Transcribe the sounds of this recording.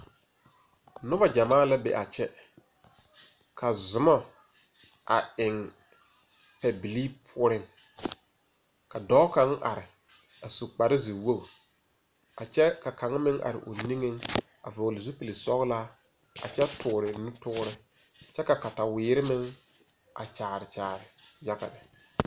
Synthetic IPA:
nʊ˦ba˨d͡ʒa˨maː˦la˦bḛ˨ʔa˨t͡ʃɛ˦ | kʰa˨zʊ˨mɔ˦ | ʔa̰˨ɪ˨ŋ | pɛ˨bi˨liː˦pʰʊ˦ɔ˦ɾɪ˦ŋ | ka˨dɔː˦ka˦ŋʔa̰˨ɾɪ˨ | a˨su˨k͡pa˨ɾɪ˦zi˨wo˦˨ | a˨t͡ʃɛ˦ka˨ka˨ŋ˦mɪ˦ŋʔa̰˨ɾɪ̰˨ʔʊ̰˨ni˦ŋe˦ŋ | a̰˨vʊ˨ɣlɪ˨zʊ˦pi˨li˨sɔ˦ɣla˦ | a̰˨t͡ʃɛ˦tʰʊː˨ɾɪ˨nʊ˦tʊ˦ɾɪ˦ | t͡ʃɛ˦ka˨ka˨ta˨wɪː˨˦ɾɪ˦mɪ˦ŋ | a̰˨t͡ʃaː˨ɾɪ˨t͡ʃaː˨ɾɪ˨ja˦ɣa̰˨nɪ˨

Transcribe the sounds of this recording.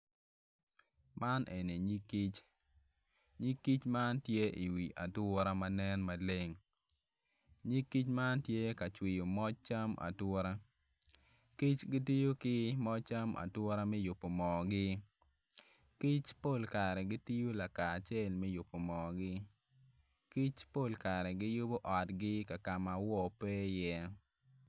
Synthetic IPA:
ma˦nʔe˨ne˨ɲi˦kːi˦t͡ʃ | ɲi˦kːi˦t͡ʃma˦ntje˦ʔi˨wi˨ʔa˨twɔ˦ɾa˦ma˦nɛ˦nma˨le˦ŋ | ɲi˦kːi˦t͡ʃma˦ntje˦ka˨t͡ʃwɪ˨jo˨mɔ˦t͡ʃ̚t͡ʃa˦mʔa̰˨tɔ˦ɾa˦ | ki˦t͡ʃɡɪ˦ti˦jo˦kɪ˦mɔ˦t͡ʃa˦mʔa̰˨twɔ˦ɾa˦mɛ˦jʊ˨pːo˨mɔ˨ɡɪ˦ | ki˦t͡ʃpo˦˨lka˨ɾɛ˨ɡɪ˦ti˦jo˦la˨ka˨t͡ʃɛ˦˨lmɛ˦jʊ˨pːo˨mɔ˨ɡɪ˦ | ki˦t͡ʃpo˦˨lka˨ɾɛ˨ɡɪ˦jʊ˦bo˦ʔɔ˨tɡɪ˦ka˨ka˨ma˨wɔ˦pɛ˦jɛ˦

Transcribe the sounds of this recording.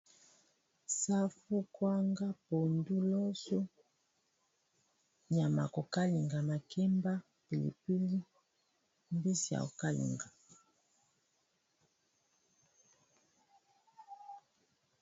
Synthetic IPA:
sa˦fu˦kwa˦ŋɡa˦po˨ndu˦lɔ˦so˦ | ɲ˨a˨ma̰˨ko˨ka˦li˨ŋɡa˨ma˨kʰɛ˦mba˦ | pi˨lḭ˨pi˦li˦ | mbi˦si˨a̰˨o̰˨ka˦lḭ˨ŋɡa˨

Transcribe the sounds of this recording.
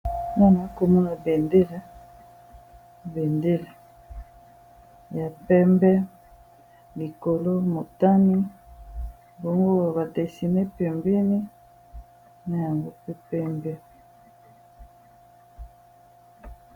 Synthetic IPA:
na˦na˨˦ko˨mu˦na˨be˨nde˦lɛ˦ | bɛ˨nde˦le˨ | ja˨pɛ˦mbɛ˦ | li˨ko˨lo˦mo˨ta˦ni˦ | bo˦ŋɡo˦˨βa˨tɛ˨si˨nɛ˦pɛ˨mbɛ˦ni˦ | na˨ja˨ŋɡo˦pe˦pɛ˦mbɛ˦

